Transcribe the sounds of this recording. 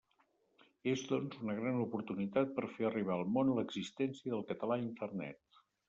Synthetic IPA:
ezðɔnzunəɣɾanupuɾt̪unit̪at̪̚pəɾfeəriβ̞aəlˠmonləɡzist̪ɛnsiəðəlˠkət̪əlaint̪ərnɛ̰t̪

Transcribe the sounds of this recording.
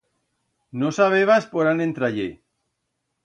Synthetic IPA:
nosaβ̞eβaspoɾanẽnt̪ɾaʎe

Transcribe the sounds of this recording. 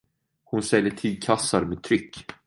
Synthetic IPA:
hʊnsɛljəʈʰiːd̪̚kʰasːaɾmeːt̪ʰɾʏkː

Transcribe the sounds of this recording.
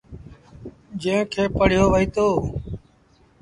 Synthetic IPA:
d͡ʒẽːkʰeːpəɽ̤joːʋəiːt̪oː

